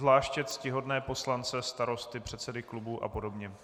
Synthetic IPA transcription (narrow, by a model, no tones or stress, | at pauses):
zlaːʃcɛt̪scɪɦo̞dnɛːpo̞slant͡sɛst̪aɾo̞st̪ɪpr̝̥ɛt̪sɛdɪklubuʔa̰po̞do̞bɲɛ